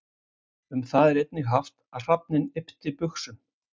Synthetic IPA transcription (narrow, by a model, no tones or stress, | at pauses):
ʏmθaðɛɾejt̪̚nɪɣɦaft̪aðr̥ap̚nɪnɪpt̪ɪpʏxsʏm